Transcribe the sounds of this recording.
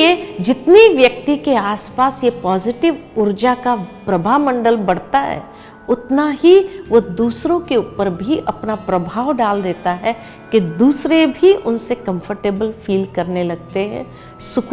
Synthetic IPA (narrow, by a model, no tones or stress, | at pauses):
ed͡ʒɪt̪niʋjɐk̚t̪ikeaːspaːsjepɔːzɪʈɪʋʊɾd͡ʒakapɾɐbʱaːmɐ̃ɳɖəlbɐɽ̤t̪aɦɛ̰ː | ʊt̪naɦiʋod̪uːsɾõkeuːpəɾbʱiʔɐpnapɾɐbʱaːʋɖaːld̪eːt̪aɦɛ | ked̪uːsɾebʱiʔʊnsekɐ̃mfəɾʈeːbəlfiːlkɐɾnelɐɡ̚t̪eɦɛ̰̃ː | sʊk